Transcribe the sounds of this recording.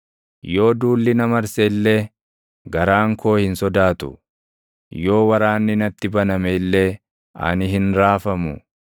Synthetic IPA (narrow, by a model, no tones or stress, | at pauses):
jo̞ːd̪uːlːɪnɐmɐɾseːlːeː | ɡɐɾaːŋkʰo̞ːhɪnsɔd̪aːt̪ʊ̰ | jo̞ːwɐɾaːnːɪnɐt̪ːɪbɐnɐmeːlːeː | ɐ̰nɪɦɪnɾaːfɐmʊ̰